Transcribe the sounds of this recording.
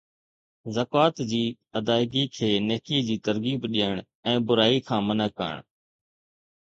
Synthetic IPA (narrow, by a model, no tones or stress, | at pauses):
zəkaːt̪d͡ʑiː | əd̪aːɪɡiːkʰeːneːkiːd͡ʑiːt̪əɾɡiːbɗiːəɳ | ɛ̃ːbʊɾaːikʰãːmənəkːə̰ɳ